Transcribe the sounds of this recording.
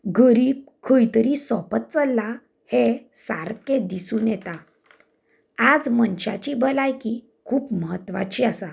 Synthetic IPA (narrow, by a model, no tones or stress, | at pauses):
ɡəɾiːb̚kʰəjt̪əɾisɔpət̪̚t͡səlːa | he | sa̰ɾked̪isũːnjɛt̪a | ad͡zmənɕa̰t͡ɕibəlajki | kʰuːpməɦət̪ʋa̰t͡ɕiasa